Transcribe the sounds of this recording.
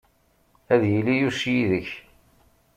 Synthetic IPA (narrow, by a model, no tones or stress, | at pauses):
æðjilːijusjiðəç